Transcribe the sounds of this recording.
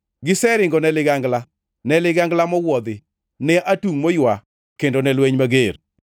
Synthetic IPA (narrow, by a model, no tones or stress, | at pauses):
ɡɪsɛɾɪŋɡɔnɛlɪɡaŋɡla | nɛlɪɡaŋɡlamɔwɔd̪ɪ | nɛʔatuŋmojwa | kendonɛlweɲmaɡeɾ